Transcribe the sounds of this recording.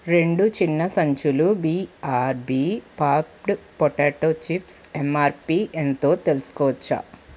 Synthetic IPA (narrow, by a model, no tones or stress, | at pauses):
ɾe̞ɳɖut͡ʃinːɐsɐɲt͡ʃulubiːaːɾbiːpaːpʈpoʈeːʈoːt͡ʃipsemaːɾpiːʔent̪o̞ːt̪e̞lusu̥kɔːʋɐt͡ʃːa̰